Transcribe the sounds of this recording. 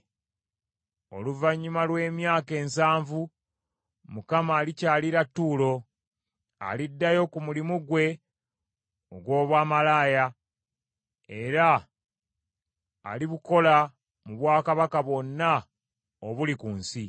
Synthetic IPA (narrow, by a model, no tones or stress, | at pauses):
o̞̰luvaɲːumalwe̞ːmjaːke̞ːnsaːɱvu | mukamaːlicaːliɾatːuːlo̞ | a̰lidːajo̞kumulimuɡwe̞ | oɡwo̞ːβwaːmalaːja | e̞ɾa | liβuko̞la | muβwaːkaβakaβwo̞nːa | oβulikunsi